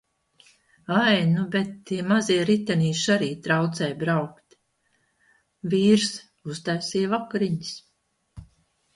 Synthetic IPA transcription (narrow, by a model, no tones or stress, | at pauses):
ajnubet̪ːiɛmaziɛɾit̪aniːʃaɾiːt̪ɾawt̪sɛjbɾawkt̪ | viːɾs | uzt̪æwsiɛvakaɾiɲs